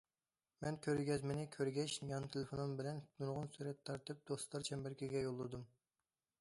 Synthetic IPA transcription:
mɛnkʲʰøɾɡʲɛzmɪnɪkʲʰøɾɡʲɛʃjɑnt̪ʰelɪfonunbɪlɛnd̪uɾʁʊnsyɾɛt̪ʰːɑɾt̪ɨp̚d̪̥oslˠɑɾt͡ʃʰɛmbɛɾkʲʰiɡʲɛjolˠːɨd̪um

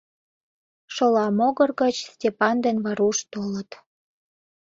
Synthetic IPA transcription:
ʃolɑmoɣərɣət͡ɕstʲepɑnd̪enβɑɾuʃt̪olət̪

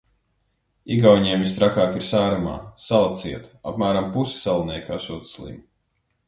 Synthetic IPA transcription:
iɡawɲiɛmvist̪ɾakaːkiɾsæːɾuma̰ːsalˠat̪siɛt̪a̰pmæːɾampusi̥salˠnʲɛjkaʃuːt̪slˠḭm

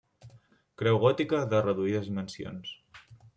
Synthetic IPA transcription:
kɾɛwɣɔt̪ikəðərəðuiðəzimənsio̰ns

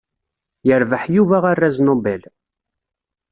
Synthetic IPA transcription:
jəɾvəħjuvæʁarːæznobɛl

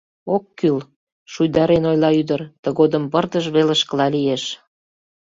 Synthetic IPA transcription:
okːyl | ʃujd̪ɑɾenojlɑyd̪ərt̪ə̆ɣod̪ə̆mpərd̪əʒβelə̆ʃkə̆lɑlijeʃ

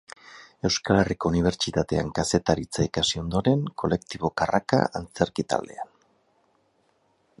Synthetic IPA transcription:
e̞wskale̞riko̞uniβ̞e̞ɾt͡ʃit̪at̪e̞a̰ŋkase̞t̪aɾit͡saikasio̞nd̪o̞ɾe̞ŋko̞le̞k̚t̪iβo̞karaka̰ant͡se̞ɾkit̪a̰ld̪e̞an

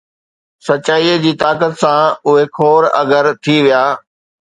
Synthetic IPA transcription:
sɐt͡ɕaːiːd͡ʑiːt̪aːkət̪sãʊɦekʰoːɾɐ̰ɡəɾt̪ʰiʋijaː

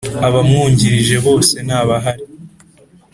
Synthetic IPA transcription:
aβamŋuːɲɟiɾiʒe̞βo̞ːse̞naːβaɦaɾi

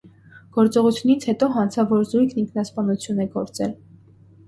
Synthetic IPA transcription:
ɡ̥ɔɾt͡sɔʁut͡sʰjunit͡sʰhɛt̪ɔɦɑnt͡sʰɑvɔɾzujkʰniŋkʰnɑspɑnut͡sʰjunɛɡɔɾt͡sɛ̰l

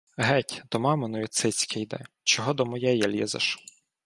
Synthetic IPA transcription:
ɦɛtʲd̪̥ɔmɑmenɔjit̪sɛt͡sʲkʰɛjd̪ɛ̰ | t͡ʃɔɦɔd̪ɔmɔjɛjalʲɛ̰zɐ̰ʃ

